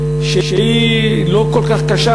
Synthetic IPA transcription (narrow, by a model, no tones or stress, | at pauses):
ʃeʃei | lokolkaχkaʃa